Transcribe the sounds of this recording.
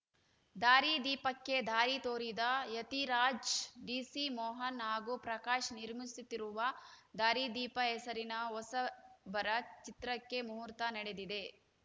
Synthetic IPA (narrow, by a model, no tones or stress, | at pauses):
d̪aːɾid̪iːpɐkːe̞d̪ʱaːɾit̪oːɾid̪ɐjɐt̪iɾaːd͡ʒɖiːsimɔːɦɐnɦaːɡupɾɐkaːʃniɾmisut̪ːiɾuʋɐd̪aːɾid̪iːpɐɛsɐɾinɐɔsɐbɐɾɐt͡ʃit̪ɾɐkːe̞muɦuɾt̪ɐnɐɽed̪id̪e̞